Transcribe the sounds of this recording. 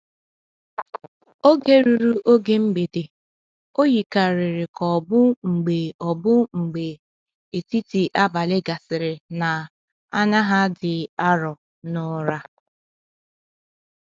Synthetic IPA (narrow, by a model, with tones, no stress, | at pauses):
o˦ɡe˦ɾu˨ɾu˦ʔo˦ɡe˦ŋ͡m̩˦ɡ͡be˨de˨ | o˦ji˨ka˨ɾɪ˨ɾɪ˨kɔ˨bʊ˦ŋ͡m̩˨ɡ͡be˨ɔ˨bʊ˦ŋ͡m̩˨ɡ͡be˨ | e˨ti˦ti˨ʔa˦ba˨lɪ˦ɡa˨sɪ˨ɾɪ˨na˨ | a˦ɲa˦ɦa˦dɪ˨a˦ɾɔ˨ | nʊ˦ɾa˦